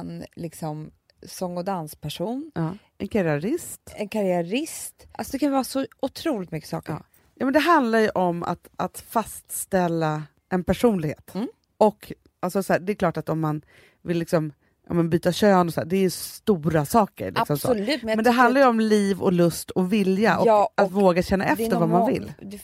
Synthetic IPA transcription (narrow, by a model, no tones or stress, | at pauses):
ɛnlɪksɔm | sɔŋːɔd̪anspʰæʂuːnɑː | ɛnkʰaɾɪaɾɪst̪ɛnkʰaɾɪaɾɪst̪ʔasɔd̪ɛkʰanvasɔʊt̪ʰɾuːlɪt̪mʏkːə̥sɑ̰ːkə̰ | jɑːmɛnd̪ɛɦand̪laɾjɵʔɔmːa̰t̪ʔat̪fast̪st̪ɛlːa | ʔɛnpʰæʂuːnlɪɡhḛːt̪ | ɔkː | alsɔsɔæːɖɛɛklɑːʈat̪ɔmːan | vɪlːɪksɔm | ʔɑ̰mɛnbyːt̪aɕøːnɔsɔd̪æːɖɛːɾjɵst̪uːɾasɑːkə̰ɾlʔɪksɔmsɔ̰ʉt̪mɛnd̪ɛɦanaɾjəɔmliːvɔlɵst̪ʰɔvɪljaʔɔat̪voːɡaɕɛnːaɛft̪əɾvamanvɪ̰lː